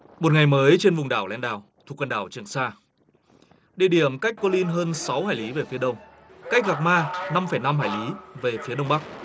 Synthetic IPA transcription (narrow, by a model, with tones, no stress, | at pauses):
mo˨˩t̚ŋa˨˩jməː˨˦jt͡ɕe˧nvʊ˨˩ŋ͡mɗa̰ː˧˩wlɛ̰˧˦nɗa̰ː˧˨˩wt̪ʰu˨˩kwə˧nɗa̰ː˧˩wt͡ɕɨ˨˩əŋsaː˧ | ɗḭ˧˩ɗi˧˩əmka˦˥k̚kɔ˨˦li˧nɦəː˧nsa˨˦whaː˧˩jli˨˦ve˨˩fi˨˦əɗə˧wŋ͡m | ka˦˥k̟̚ɣaː˨˩k̚maː˧na˧mfə˧˩jna˧mhaː˧˩jli˨˦ve˨˩fi˨˦əɗə˧wŋ͡mɓa˦˥k̚